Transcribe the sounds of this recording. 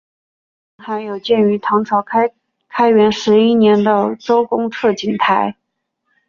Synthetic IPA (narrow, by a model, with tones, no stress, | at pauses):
ŋxa˧˥ɪjo˨˩ʊt͡ɕjɛ˥˩ny˧˥t̪ʰɑ˧˥ŋʈ͡ʂʰɑ˧˥ʊ˥ | kʰa˥ɪɥɛ˧˥nʂɻ̩˧˥i˥njɛ˧˥nd̪ə˧ʈ͡ʂo˥ʊkʊ˥ŋt͡sʰɤ˥˩t͡ɕi˧˥˩ŋt̪ʰa˧˥ɪ